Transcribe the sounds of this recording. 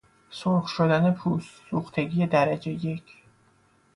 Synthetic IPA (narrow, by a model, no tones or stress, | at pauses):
soχʃod̪ænepʰuːssuːxt̪ʰe̞ɡije̞d̪æɾæd͡ʒe̞je̞cʰ